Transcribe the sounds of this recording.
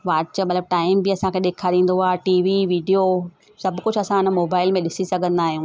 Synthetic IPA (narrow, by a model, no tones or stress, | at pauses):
ʋaːʈsəmɐt̪ləb̚ʈaːɪmbɪɐsãkʰeɗeːkʰaɾĩːn̆d̪oaːʈiːʋiʋiːɖijo | sɐbkʊd͡ʑʱɐsãɪnə̆moːbaːɪlmẽɗɪsisɐɡʱə̃nd̪aːɦijũː